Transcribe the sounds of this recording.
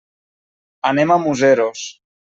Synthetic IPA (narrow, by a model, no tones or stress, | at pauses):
anemamuzeɾos